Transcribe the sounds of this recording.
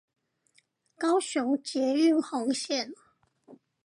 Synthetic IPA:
kɑ˦ʊɕʊ˧˦ŋt͡ɕjɛ˨˧˦y˥˨nxɔ˨˧˥ŋɕjɛ˥˨n

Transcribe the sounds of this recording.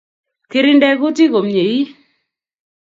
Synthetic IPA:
ke˦ɾɪ˦ndɛ˦ko˦ti˦ko˨mɲe˨i˦

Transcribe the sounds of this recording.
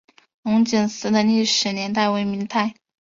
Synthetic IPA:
ʊ˧˥ŋt͡ɕi˨˩nsɹ̩˧˥d̪ə˧li˥˩ʂɻ̩˧˥njɛ˧˥nt̪̬a˥˩ɪwe˧˥ɪmi˧˥ŋt̪ʰa˥˩ɪ

